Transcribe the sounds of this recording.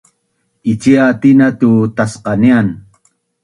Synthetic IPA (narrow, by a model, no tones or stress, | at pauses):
it͡ʃiat̪inat̪ut̪asqɑnian